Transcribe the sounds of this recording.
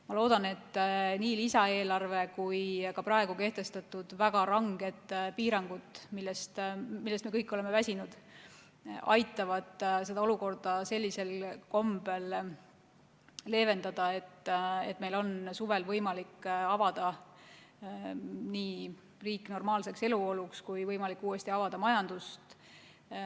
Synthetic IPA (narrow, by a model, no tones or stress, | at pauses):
mɑlo̞ːd̪̥ɑne̞t̪ːniːlisɑe̞ːlɑrve̞kujkɑprɑe̞ɡ̥uke̞ht̪e̞st̪ɑt̪ːˑud̪̥væɡ̥ɑɾɑŋɡ̥e̞d̪̥piːɾɑŋɡ̥ud̪milːest̪milːest̪mekɤjkːˑole̞me̞væsʲinud̪̥ | ɑ̰jt̪ːˑɑvɑd̪̥se̞d̪ɑo̞luko̞rd̪̥ɑse̞lʲːise̞lko̞mbe̞l | le̞ːve̞nd̪̥ɑd̪̥ɑe̞t̪ːḛt̪ːˑme̞jlo̞nsuve̞lvɤjmɑlikːɑvɑd̪̥ɑ | niː | riːkːˑno̞rmɑːlse̞kse̞luo̞lukskujvɤjmɑlikːuːe̞st̪iɑvɑd̪̥ɑmɑjɑnd̪̥ust̪